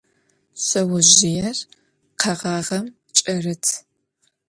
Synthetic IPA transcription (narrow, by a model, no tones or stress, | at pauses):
ɕʼɐwʊʑɪjɛr | qʰɐʁɑːʁɐm | t͡ʃʼɐrɨtʰ